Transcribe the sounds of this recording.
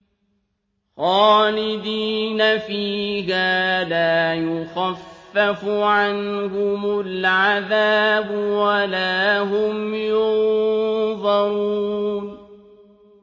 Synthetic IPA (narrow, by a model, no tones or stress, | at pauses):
xɑːlɪd̪iːnafiːhaːlaːjʊxafːafʊʕanhʊmʊlʕaðaːbʊwalaːɦʊmjʊn | ðˤɑɾun